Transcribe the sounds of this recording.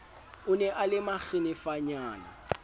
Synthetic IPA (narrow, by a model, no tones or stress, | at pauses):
ʊnɛʔalɪmak͡xɪnɪfaɲaːna̰